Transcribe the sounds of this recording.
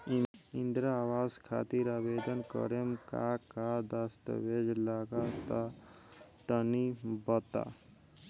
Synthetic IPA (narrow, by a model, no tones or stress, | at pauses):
ind̪ɾaaʋaːzkʰa̰t̪iɾaːbeːd̪ənkə̰ɾemka̰kad̪ast̪ʋed͡ʒlaɡat̪a | t̪ənibət̪a̰